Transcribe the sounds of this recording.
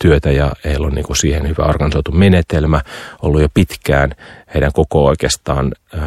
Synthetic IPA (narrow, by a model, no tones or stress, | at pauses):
t̪yøt̪æjɑeilːonnḭːŋkusiːhenhyʋæ̰orɡ̥ɑnisoit̪umenet̪elmæo̰lːujopit̪kæ̰ːnheiɾæŋkokooikeːst̪ɑːn